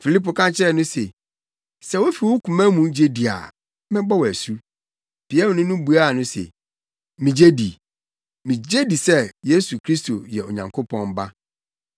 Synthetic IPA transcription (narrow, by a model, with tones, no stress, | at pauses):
fi˨li˦po˨kʰã˦nt͡ɕʰɪ˦ɾɛ˨nʊ̃˦se˨ | sɛ˦wo˦fi˨wo˦kʰu˨mæ̃˦mũ˨˦d͡ʑe˦di˨a̰˨ | mɪ̃˦bɔ˦wæ˨su˦ | b̥i˨ɛ˦m̃˨nʊ̃˦nʊ̃˦bu˨a˦˨nʊ̃˦sḛ˨ | mĩ˨d͡ʑe˦di˨ | mĩ˨d͡ʑe˦di˨sɛ˦je˦su˨kʰɾi˦sto̰˨jɛ˨o˨ɲã˨ŋkʰo˦pʰɔ̃˦n˦ba˦